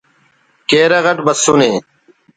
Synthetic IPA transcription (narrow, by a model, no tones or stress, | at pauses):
keːɾɐɣɐʈbəsːuːneː